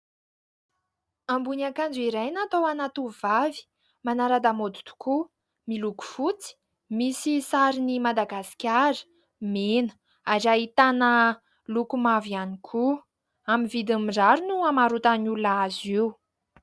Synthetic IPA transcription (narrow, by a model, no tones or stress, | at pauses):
ambunakand͡zuiɾajnat̪owanat̪uvavi̥ | manaɾad̪amod̪u̥t̪u̥ku | miluku̥fut͡si̥ | misisaɾinimad̪aɡasi̥kʲaɾə̥ | menə̥ | aɾaɦit̪anə | lukumavianikʰu | amivid̪amiɖ͡ʐaɾunuamaɾut̪anululaaziw